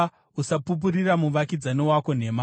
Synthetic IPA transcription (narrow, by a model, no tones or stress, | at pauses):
usapup̬uɾiramuʋakid͡zaniwako̞ne̞ma